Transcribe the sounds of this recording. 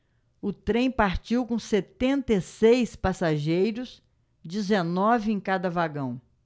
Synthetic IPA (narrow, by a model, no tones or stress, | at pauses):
ʊt̪ɾẽj̃paɾt͡ʃiwkõset̪ẽnt̪esejspasaʒejɾʊs | d͡ʒizenɔvɪẽj̃kad̪ɐvaɡɐ̃w̃